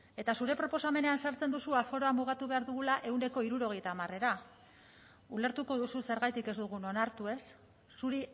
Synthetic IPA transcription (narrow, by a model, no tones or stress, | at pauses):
e̞t̪asuɾe̞pɾo̞po̞same̞ne̞ansaɾt͡send̪usuafo̞ɾo̞amuɣ̞at̪uβe̞aɾðuɣulaʔe̞wne̞ko̞iɾuɾo̞ɣ̞e̞jt̪aːmare̞ɾa | ule̞ɾt̪uko̞ðususe̞ɾɣajt̪ike̞zd̪uɣ̞uno̞naɾt̪ue̞sː | uɾi